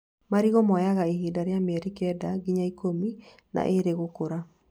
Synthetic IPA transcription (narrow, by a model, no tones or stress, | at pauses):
maɾiɣɔmɔjaɣaiɦiːdaɾeamɛɾikɛdaɣiɲaikomi | na̰ʔeɾeɣokoɾa